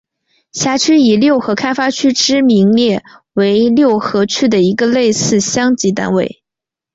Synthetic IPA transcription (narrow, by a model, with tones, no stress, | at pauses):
ɕja˧˥t͡ɕʰy˥i˨˩ljo˥˩ʊxɤ˧˥kʰa˥ɪfa˥t͡ɕʰy˥ʈ͡ʂɻ̩˥mi˧˥ŋljɛ˥˩we˧˥ɪljo˥˩ʊxɤ˧˥t͡ɕʰy˥d̪ə˨i˧˥ɡə˧le˥˧ɪsɹ̩˥˩ɕjɑ˥ŋt͡ɕi˧˥t̪̬a̰˥nwḛ˥˩ɪ